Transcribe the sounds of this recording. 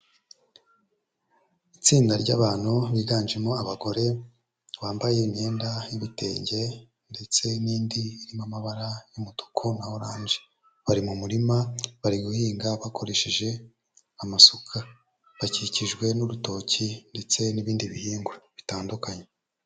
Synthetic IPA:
it͡siːndaɾɟaβaːn̥huβiɡaːnd͡ʒemo̞aβaɡo̞ɾe̞ | βaːmbajeimɲe̞ːndajiβite̞̰ːɲɟe̞ | nde̞t͡se̞niːndiiɾimamaβaɾajumoto̥kʰonahoɾaːɲd͡ʒe | βaɾimumuɾimaβaɾiɡuhiːŋɡaβakʰo̞ɾe̞ʃiʒe̞ | amasokʰa | βaciciʒɡwe̞nuɾuto̞cinde̞t͡se̞niβiːndiβihiːŋɡweβitaːndukaɲe

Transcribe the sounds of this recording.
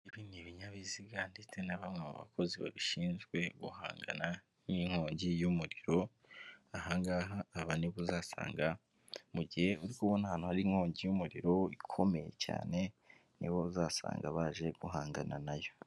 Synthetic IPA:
iβiniβiɲaβiziɡandetenaβamŋamṵβa̰kʰo̞ziβa̰βiʃiːnzɡwe̞ɡuha̰ːŋɡa̰na | niŋ̥ho̞ːɲɟijumuɾiɾo̞ | ahaːŋɡaɦaːβaniβuzaːsa̰ːŋɡa | muɟihe̞uɾikuβwonahaːn̥uhaɾiŋ̥ho̞ːɲɟijumuɾiɾo̞ikʰo̞me̞je̞̰ca̰ːne̞ | niβo̞zaːsa̰ːŋɡaβaːʒe̞ɡ̥uɦaːŋɡananajo̞

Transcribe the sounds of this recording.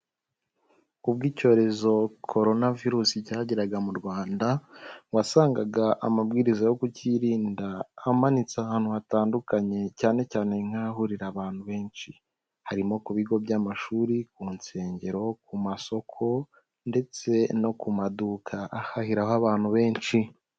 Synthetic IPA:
ub̚ɡiːco̞ːɾe̞zo̞kʰo̞ɾo̞naviɾuːsicaːɟiɾaɡamuɾɡwaːndawasaːŋɡaɡaʔamabɡiːɾizajo̞kuciɾiːndaːmanit͡sahaːn̥huhataːndukaɲe̞caːne̞caːne̞ŋ̥haɦuɾiɾaβaːn̥huβe̞ːnʃi | haɾimo̞kuβiɡo̞bɟamaʃuːɾik̚uːnse̞ːɲɟe̞ɾo̞k̚umaso̞kʰo̞ | nde̞t͡se̞no̞kumadukʰaʔahahiɾahoaβaːn̥huβe̞ːnʃi

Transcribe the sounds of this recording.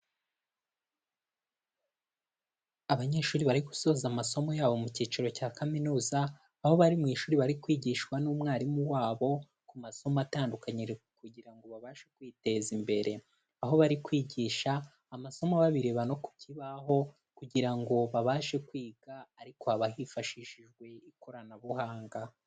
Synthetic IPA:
aβaɲe̞ːʃuːɾiβaɾiku̥so̞ːzamaso̞mo̞jaːβo̞muciːt͡ʃiɾo̞caːkaminuːzaː | ho̞βaɾimŋiːʃuːɾiβaɾikwiːɟiːʃkwanuːmŋaːɾimuwaːβo̞ | kumaso̞mataːndukaɲiɾ | kuɟiɾaŋɡo̞βaβaːʃekwiːte̞zimbe̞ɾe̞ | aɦo̞βaɾikwiːɟiːʃaː | maso̞moβaβiɾeβano̞ku̥cʰiβaho̞ | kuɟiɾaŋɡo̞βaβaːʃe̞kwiːɡ̥aːɾiko̞aβahifaʃiʃiʒɡwe̞iko̞ɾanaβuhaːŋɡa

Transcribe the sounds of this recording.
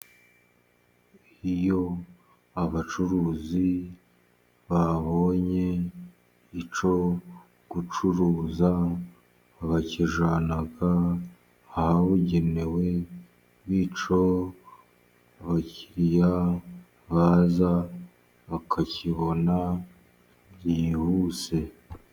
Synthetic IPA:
ijo̞ | aβat͡ʃuɾuːzi | βaβo̞ɲe̞ | it͡ʃo̞ | ɡ̥ut͡ʃuɾuːza | βaciʒanaɡaː | haβuɟe̞ne̞we̞ | βit͡ʃo̞ | βaciɾja | βaːza | βakʰaciβo̞na | βɟihuse̞

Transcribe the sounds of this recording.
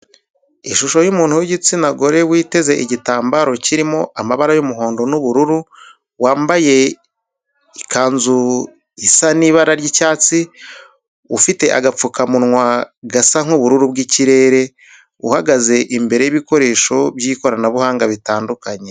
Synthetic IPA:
iʃuʃo̞jumuːn̥huwiɟit͡sinaɡo̞ɾe̞wiːte̞ze̞ʔiɟitaːmbaɾo̞ciɾimo̞ʔamaβaɾajumuɦo̞ːndo̞nuβuɾuɾu | waːmbaje̞ | ikʰaːnzu | isaniːβaɾaɾɟicaːt͡si | ufite̞ʔa̰ɡap͡fukamunŋwaɡasaŋ̥uβuɾuɾubɡiciɾe̞ɾe̞ | ṵhaɡaze̞ʔimbe̞ɾe̞jiβiko̞ɾe̞ːʃo̞bjiːko̞ɾanaβuhaːŋɡaβitaːndukaɲe̞

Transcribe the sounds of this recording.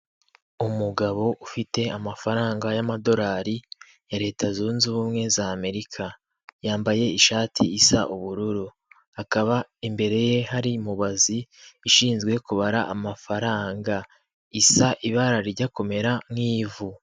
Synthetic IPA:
umuɡaβo̞ʔufite̞amafaɾaːŋɡajamado̞ɾaːɾi | jaɾe̞ːtʰazunzuβumŋe̞zaːme̞ɾikʰa | jaːmbaje̞iʃaːtʰiːsa̰ʔuβuɾuɾu | akaβaimbe̞ɾe̞je̞haɾimuβaziːʃiːnzɡwe̞kuβaɾaʔamafaɾaːŋɡa | isaʔiβaɾaɾiɟako̞me̞ɾamŋiːvu

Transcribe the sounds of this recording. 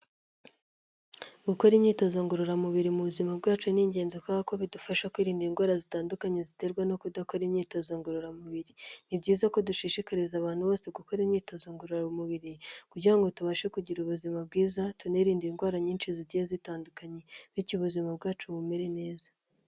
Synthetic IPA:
ɡuko̞ɾimɲiːto̞zaŋɡoɾoɾamuβiɾimuβuzimabɡaːt͡ʃuniɲɟe̞ːnzokaβako̞βidufaʃakwiːɾiːndinɡwaːɾazitaːndukaɲezite̞ɾɡwano̞kudako̞ɾimɲiːto̞zaŋɡoɾoɾamuβiɾinibɟiːzako̞duʃiʃikaɾizaβaːnhuβo̞ːse̞ɡukoɾimɲiːto̞zaŋɡoɾomuβiɾikuɾɟiɾaŋɡo̞tuβaʃe̞kuɟiɾuβuzimab̚ɡiːzatuneɾiːndinɡwaːɾaɲiːnt͡ʃiziɟijezitaːndukaɲe̞βicuβuzimab̚ɡaːt͡ʃuβume̞ɾe̞ne̞ːzḁ

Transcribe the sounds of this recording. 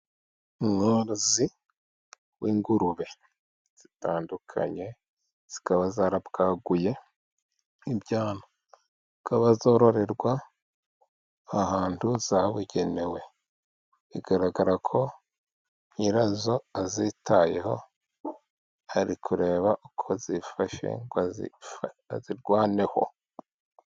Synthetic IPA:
ŋoɾozi | wiːŋɡuɾuβe̞ | z̥itaːndukʰa̰ɲe̞ | z̥i̥kaβazaɾabɡaɡuje̞ | ibjaːnḁ | zikaβazo̞ɾo̞ɾe̞ɾɡwa | haːntuzaβuɟe̞newe̞ | βiɡ̥aɾaɡaɾakʰo̞ | ɲiɾazo̞azitaje̞ho̞ | aɾikʰuɾe̞ːβaʔukʰo̞zifaʃḛŋ | ziɾɡwaːne̞ho̞̰

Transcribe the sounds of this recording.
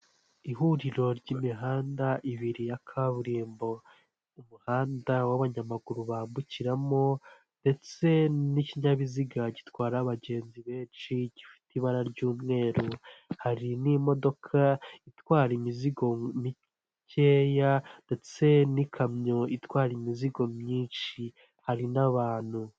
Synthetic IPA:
iɦuɾiɾo̞ɾɟimiɦaːndaʔiβiɾijakʰaβuɾiːmbo̞ | umuhaːndawaβaɲamaɡuɾuβaːmbuciɾamo̞ | nde̞t͡se̞niciɲaβiziɡaɟitwaːɾaβaɟe̞ːnziβe̞ːnt͡ʃiɟifi̥tiβaɾaɾɟuːmŋe̞ːɾohaɾinimo̞do̞kʰaitwaːɾimiziɡo̞mi | ceːjande̞t͡se̞nikʰamɲo̞itwaːɾimiziɡo̞mɲiːnʃi | haɾinaβaːn̥hu

